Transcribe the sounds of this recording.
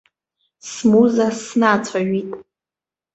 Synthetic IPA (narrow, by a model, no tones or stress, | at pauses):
smuzasnat͡sʷʰaɥitʼ